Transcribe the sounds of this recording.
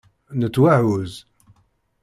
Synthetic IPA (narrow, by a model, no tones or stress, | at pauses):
nət͡sːwaʕuz